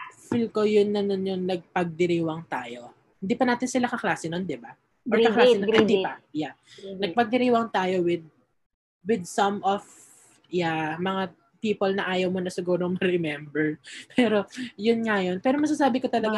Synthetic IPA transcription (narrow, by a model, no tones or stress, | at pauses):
filko̞jʊnːɐnonjʊŋnɐɡ̚pɐɡ̚d̪ɪɾiːwɐŋt̪aːjo̞ | hɪnd̪iːpɐnaːt̪ɪnsɪlakɐklaːsɪnond̪ɪba | ʔoɹkɐklasnɪ̃nd̪ipɐjanɐɡ̚pɐɡ̚d̪ɪɾiːwɐŋt̪aːjo̞wɪd̪̚ | wɪd̪̚sɐmʔof | ɪjamɐŋa | piːpolnɐʔaːjɐwmonɐsɪɡuːɾomɐɾɛmɛmbɛɹpʰɛːɾo̞jʊnŋɐjo̞npɛːɾomɐɡsasaːbɪkot̪ɐlɐɡa